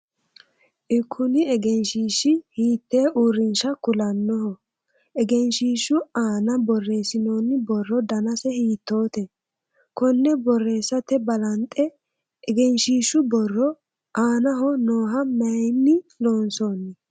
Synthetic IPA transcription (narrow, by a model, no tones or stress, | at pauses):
ʔɪkʰːʊnɪɛɡɛnʃiːʃɪhiːt̪ːeːʔuːɾɪnʃɐkʊlɐnːɔɦɔ | ʔɛɡɛnʃiːʃʊaːnɐbɔrːe̞ːsɪno̞ːnːɪbɔrːɔd̪ɐnɐsɛhiːt̪ːo̞ːt̪ɛ | kɔnːɛbɔrːe̞ːsːɐt̪ɛbɐlɐnt̪ʼːɛ | ɛɡɛnʃiːʃʊbɔrːɔ | ʔaːnɐɦɔnoːɦɐmɐjnːɪnoːnsoːnːɛ